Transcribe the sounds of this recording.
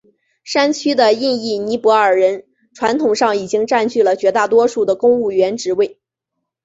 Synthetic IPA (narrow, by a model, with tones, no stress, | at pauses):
ʂa˥nt͡ɕʰy˥d̪ə˨i˥˧ni˥˩ni˧˥pwɔ˧˥ə˞˨˩ɻə˧˥n | ʈ͡ʂʰwa˧˥nt̪ʰʊ˨˩ŋʂɑ˥˩ŋi˨˩t͡ɕi˥ŋʈ͡ʂa˥˧nt͡ɕʰy˥˩lə˩t͡ɕɥɛ˧˥t̪a˥˩t̪wɔ˥ʂu˥˩d̪ə˩kʊ˥ŋu˥˩ɥɛ˧˥nʈ͡ʂɻ̩˧˥we˥˩ɪ